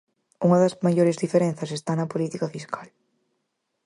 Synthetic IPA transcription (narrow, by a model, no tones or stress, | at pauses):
uŋɐðɐzmajoɾezðifeɾẽn̟θɐsest̪anɐpolit̪ikɐfiskʰal